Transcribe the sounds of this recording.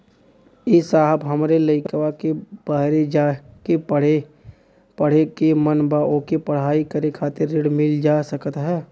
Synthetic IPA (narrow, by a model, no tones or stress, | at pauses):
ɪsaːɦəbɦəmɾeləɪkkʋakeb̥əɦɾed͡ʒaːkepəɽe | pəɽ̤ekemənbaːʔõkipəɽ̤aːikəɾekʰaːt̪ɪɾːɪɽmɪld͡ʒaːsəkət̪ɦɛː